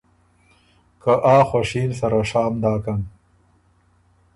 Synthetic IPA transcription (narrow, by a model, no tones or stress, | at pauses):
kaʔaːxwaʂiːnsɐɾaʂaːmd̪aːkan